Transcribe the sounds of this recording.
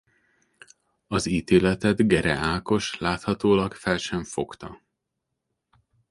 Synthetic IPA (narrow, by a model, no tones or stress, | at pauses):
ɒziːt̪eːlɛt̪ɛd̪ɡɛɾɛ̰aːko̞ʃlaːt̪hɒt̪oːlɒkfɛlʃɛɱfo̞kt̪ɒ